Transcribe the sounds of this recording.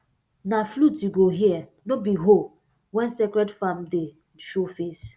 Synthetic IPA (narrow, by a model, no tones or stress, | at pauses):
naflutiɡoɦiɛ | nobiɦo | wɛ̃nsɛkɾɛdfamde | ʃofes